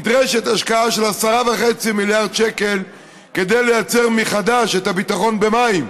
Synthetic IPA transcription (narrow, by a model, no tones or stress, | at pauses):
dʁeʃet̪aʃkaaʃelasaʁavaχet͡similjaʁd̪ʃeke̞l | ked̪ejlejat͡seʁmiχadaʃet̪abit̪aχo̞nbe̞maim